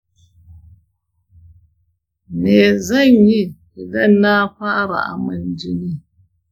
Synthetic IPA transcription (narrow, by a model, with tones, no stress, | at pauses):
nɛː˨zɛ˦ɲi˦˨ | i˨lə˦naː˦pa˦ʔɾa̰˨ʔa̰˨mɨ˨n˨d͡ʒi˦ni˦